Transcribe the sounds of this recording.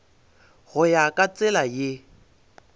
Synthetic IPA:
ɣʊjakʼat͡sʼɪlajɪ

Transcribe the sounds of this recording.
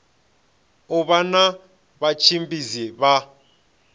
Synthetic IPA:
ɔβana | βat͡ʃʰimbʼizɛβa

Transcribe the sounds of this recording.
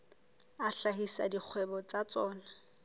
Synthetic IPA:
aɬaɦisa̰dik͡xʰwɛbɔt͡sat͡sɔːna

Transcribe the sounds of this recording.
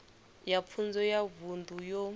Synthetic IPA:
jap̪fʰund͡zɔjavundʱujɔ

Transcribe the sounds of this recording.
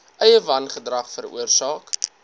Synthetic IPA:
ʔœjəvɐnχədrɐχfərṵərsɑːk

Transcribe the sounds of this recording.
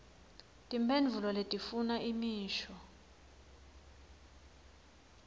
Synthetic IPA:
tʼimbʱend͡ɮʱulɔletʼifunaʔimiːʃɔ

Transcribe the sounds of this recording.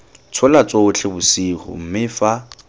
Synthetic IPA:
t͡sʰʊlat͡sʼoʊt͡ɬʰebʊsiːχʊ̰m̩mɪfa

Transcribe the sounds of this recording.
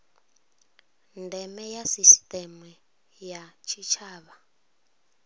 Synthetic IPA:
ndɛmɛjasistʼɛmu | jat͡ʃʰit͡ʃʰaːβa

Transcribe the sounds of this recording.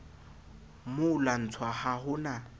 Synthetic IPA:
mʊlan̩t͡sʰwahahʊna

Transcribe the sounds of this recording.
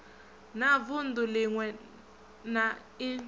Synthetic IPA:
navʊn̩dulɪŋwɛ | na | i

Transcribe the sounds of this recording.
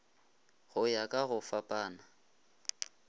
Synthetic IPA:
ɣʊjakʼaɣʊfapʼaːna

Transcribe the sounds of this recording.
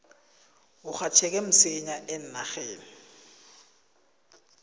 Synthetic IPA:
ʊk͡xʰatʰɛk̬ʼɛm̩sɪɲaʔɛn̩naxeːn̩

